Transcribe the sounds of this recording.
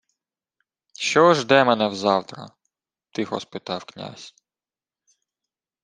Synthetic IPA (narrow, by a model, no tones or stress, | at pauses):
ʃt͡ʃɔʒd̪ɛmɛnɛwzɑwt̪ɾɐ̰ | t̪ɪxɔ̰spɪt̪ɑwknʲa̰sʲ